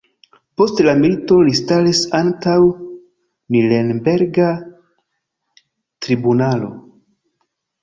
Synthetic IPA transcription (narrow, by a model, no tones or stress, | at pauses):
po̞stlamilito̞listalisantaw | nilenbe̞ɾɡa | tɾibunalo̞̰